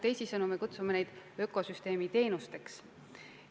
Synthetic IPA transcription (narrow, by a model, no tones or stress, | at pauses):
t̪e̞jsisɤnume̞kut̪sumene̞jd̪̥ø̞ko̞syst̪e̞ːmit̪e̞ːnust̪e̞ks